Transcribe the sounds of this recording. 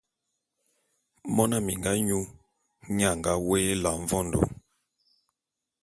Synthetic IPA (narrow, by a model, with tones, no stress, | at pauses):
mɔ˦na˦mi˨ŋɡa˦ɲu˦ | ɲa˦˨ŋɡa˦weː˦la˨ɱ˦vɔ˦ndo̰˨